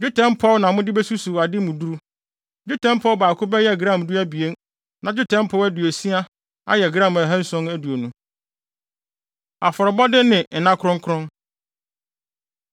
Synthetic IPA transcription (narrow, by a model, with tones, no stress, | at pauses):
d͡ʑʊ˦tʰɛ̃˦mpʰɔ˦wnã˨mʊ̃˦dɪ˦bɛ˦su˦su˨a˨dɪ˦mũ˨du˦ɾu˦ | d͡ʑʊ˦tʰɛ̃˦m˦pʰɔ˦wbaː˨kʰʊ˦bɛ˦jɛ˦˨ɡɾã˦˨m˨du˦æ˦bi˨e˦n | nã˨d͡ʑᶣʊ˦tʰɛ̃˦m˦pʰɔ˦wæ˦du˨e˨si˦a˦ | a̰˦jɛ˨ɡɾã˦˨mæ˨ɦɛ̃˦n̩˦sɔ̃˦næ˦du˨o˨nũ˦ | a˨fɔ˨ɾɔ˨bɔ˦dɪ˦nɪ̃˨n̩˨nã˦kʰɾʊ̃˦ŋ˦kʰɾʊ̃˦n